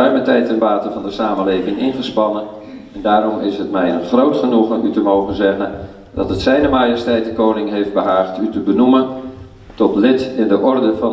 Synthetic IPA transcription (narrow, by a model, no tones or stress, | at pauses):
œɥmətɛjtənʋaːtəvɑndəsaːməlejvɪŋɪnχəspɑnən | ɛndaːɾɔmɪsɦət̚mɛjənχrowtχənuχəytəmowχənzɛχən | dɑtətsɛjnəmaːjəstɛjtəkownɪŋɦejfd̚bəɦaːχtytəbənumən | tɔtlɪtɪndəʔɔrdəvɑn